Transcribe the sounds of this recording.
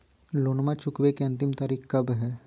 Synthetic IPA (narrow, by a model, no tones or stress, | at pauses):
loːnmãt͡ʃʊkwekeɐ̃nt̪ɪmt̪aːɾiːkkɐbɦɛː